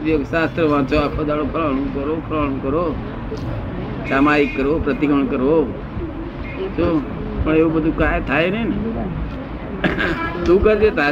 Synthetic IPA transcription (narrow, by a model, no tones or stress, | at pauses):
d̪ijoksaːst̪ɾəʋãːt͡ʃoakʰod̪aːɽopʰəlaːɽ̃ũkəɾoːkʰəlaɽ̃ũkəɾoː | saːmaːikːəɾoːpɾət̪ɪkəɳ̃kəɾoː | t͡ʃoː | pəɳeːubəd̪ʱukaːet̪ʰaːenəna | t̪ũːkəɾt̪et̪ʰa